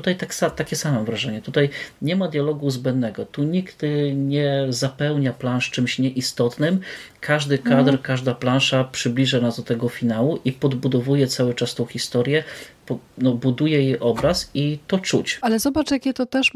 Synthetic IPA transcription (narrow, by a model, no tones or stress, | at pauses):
ut̪ajt̪aksat̪akʲɛsamɛvɾaʐɛɲɛt̪ut̪ajɲɛmad̪ʲjalɔɡuzbɛnd̪nɛɡɔt̪uɲiɡt̪ɲɛzapɛwɲaplanʂt͡ʂɘmɕɲɛʔist̪ɔt̪nɘmkʰaʐd̪ɘkad̪ɾkaʐd̪aplanʂapʂɘblʲiʐanazd̪ɔt̪ɛɡɔfʲinawuʔipɔd̪bud̪ɔvujɛt̪sawɘt͡ʂast̪ɔ̃w̃xʲist̪ɔɾʲjɛpɔnɔbud̪ujɛjejʔɔbɾasit̪ɔt͡ʂut͡ɕalɛzɔbat͡ʂjakʲɛt̪ɔt̪ɛʂ